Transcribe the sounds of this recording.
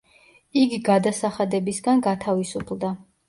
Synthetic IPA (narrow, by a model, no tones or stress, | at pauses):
iɡiɡad̪asaχad̪ɛbisɡanɡat̪ʰavisupʰlˠd̪a